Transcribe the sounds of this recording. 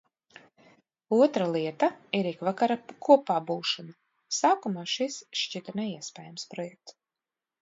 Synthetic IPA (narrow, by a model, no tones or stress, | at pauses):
uɔt̪ɾalˠiɛt̪aiɾikvakaɾakuɔpaːbuːʃɔna | saːkumaːʃisʃt͡ʃit̪nɛiɛspʲɛːjamspɾɔjɛk̚t̪